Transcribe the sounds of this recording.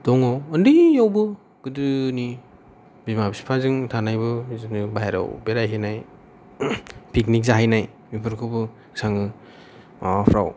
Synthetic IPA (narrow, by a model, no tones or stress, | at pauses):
d̥ɔŋɔːndɯjawbɯ | ɡ̥ɯdɯni | bimabisi̥pʰazɯŋtʰanajbɯzɯnɯbaɦeɾa̰wbeɾajɦanaj | piknik̚zaɦajnaj | mipʰɯɾkʰɯbɯ | saŋɯ | apʰɾa̰w